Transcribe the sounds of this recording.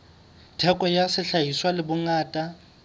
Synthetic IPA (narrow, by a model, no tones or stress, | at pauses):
tʰɛkʼɔjasɪɬajiswalɪbʊŋaːtʼa